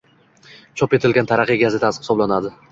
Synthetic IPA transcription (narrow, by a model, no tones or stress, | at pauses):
t͡ʃʰɒpe̞t̪ʰɪlɡʲant̪ʰaɾaqjɡʲazɪt̪ʰasχɪ̥sɒblanad̪ɪ